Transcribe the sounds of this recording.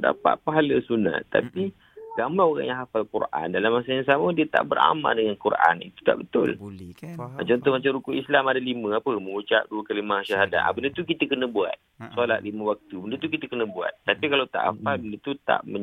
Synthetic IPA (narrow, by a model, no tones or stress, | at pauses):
da̰pa̰ʔ̪̚paɦaləsuna̰t̪t̪ːa̰pi | ɡamaoɣa̰ŋjãŋɦafalkṵrʔa̰ndalamːasajaŋs̬amədiət̪a̰ʔbəɾa̰ma̰ldəŋankurʔa̰nḭt̪u̥t̪a̰ʔbət̪ʊ̰l | at͡ʃaɔnt̪ʊhmat͡ʃamɾukuʔislamadalimə̃apəmə̃ŋut͡ʃaʔ̚duəkalimahʃaɦada̰ʔa̰bəndət̪ukit̪əkənəbua̰t̪̚sualaʔ̪limə̃wak̚t̪ubəndət̪ukit̪əkənəbua̰t̪̚ːapikalawt̪a̰ʔa̰falbəndət̪ut̪a̰ʔmə